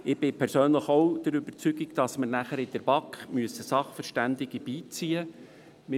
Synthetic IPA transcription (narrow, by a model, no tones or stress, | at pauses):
ɪb̥ɪpʰɛɾsøːnləχowd̪̥əɾʏbəɾt͡syɡiɡd̥ɑsməɾnæχəɾɪd̥əɾb̥ɑkχmyəsəsɑχfəɾʃtænd̪ɪɡ̥əb̥iːt͡siːə | mɪ